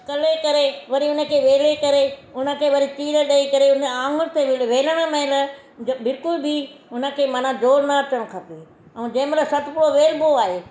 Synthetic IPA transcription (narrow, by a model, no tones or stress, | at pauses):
kɐlekɐɾeʋɐɾiʊnə̆kʰeːʋeːlekɐɾeʊnə̆kʰeːʋɐɾitiːɾəɗɐikɐɾeʊnəãːŋɡʊnɪt̪eʋeːləɽ̃əmɐ̃ɪ̃lə | bɪlkʊlbiʊnə̆kʰeːmɐnãd͡ʑoːɾnɐɐt͡ɕəɽ̃kʰɐp̪i | ɛ̃ũd͡ʑɐ̃ːmɾəsɐt̪ʰpʊɽoʋeːlboaːɦeː